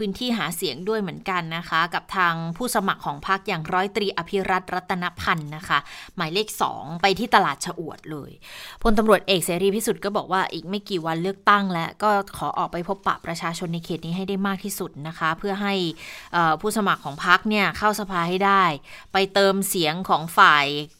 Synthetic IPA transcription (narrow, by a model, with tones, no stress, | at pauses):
pʰɯː˦˥nt̪ʰiː˥˩ɦaː˩˦si˨˩˦əŋdu˥˩əjmɯ˩˦ənka˧nːa˦˥kʰa˦˥ka˨˩p̚t̪ʰaː˧ŋpʰuː˥˩sa˧ma˨˩kʰːɔː˩˦ŋpʰa˦˥k̚jaː˨˩ŋɾɔː˦˥jt̪ɾiː˧ʔa˧pʰi˦˥ɾa˦˥t̪̚ɾa˦˥t̪ʰːa˧na˦˥pʰa˧nːa˦˥kʰa˦˥maː˩˦jleː˥˩k̚sɔ̰ː˩˦ŋpa˧jt̪ʰiː˥˩t̪a˧laː˨˩t̪̚t͡ɕʰa˧ʔu˨˩ət̪̚lɤ̰ː˧jpʰo˧nt̪a˧mɾu˨˩ət̪̚ʔeː˨˩k̚seː˩˦ɾiː˧iː˥˩su˨˩t̪̚kɔː˥˩bɔː˨˩k̚waː˥˩ʔiː˨˩k̚ma˥˩jkiː˨˩wa˧nlɯ˥˩ək̚t̪a˥˩ŋlɛ˦˥kɔː˥˩kʰɔː˩˦ʔɔ̰ː˨˩k̚pa˧jpʰo˦˥pːa̰˨˩pɾa˧t͡ɕʰaː˧t͡ɕʰo˧nːa˧jkʰeː˨˩t̪̚niː˦ɦa˥˩jdaː˥˩jmaː˥˩k̚t̪ʰiː˥˩su˨˩t̪̚na˦˥kʰa˦˥pʰɯ˥˩ɐɦa˥˩jʔɤː˨˩pʰuː˥˩sa˧ma˨˩kʰːɔː˩˦ŋpʰa˦˥k̚ni˥˩ɐkʰa˥˩wsa˧pʰaː˧ha˥˩jdaː˥˩jpa˧jt̪ɤː˧msi˩˦əŋkʰɔː˩˦ŋfaː˨˩j